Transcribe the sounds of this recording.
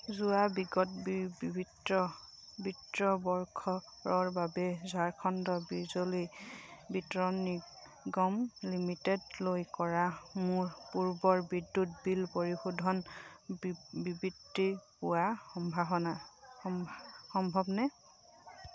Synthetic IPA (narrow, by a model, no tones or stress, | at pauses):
zuabiɡɔtbbibʱidɔ | bitɹɔbɔɹkʰɔ | ɹɔɹbabɛzaɹkʰɔndɔbizolibitɔɹɔnik | ɡɔmlimitɛdlojkɔɹamʊɹpuɹbɔɹbidːutbilpoɹixudʱɔn | bibidːipuaxɔmbʱaɦɔna | xɔmbʱɔbnɛ